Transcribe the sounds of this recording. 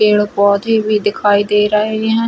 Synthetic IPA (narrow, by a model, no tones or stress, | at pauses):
eːɽbɔːt̪eːbiːd̪ɪkʰaːiːd̪eːɾəeɛ̃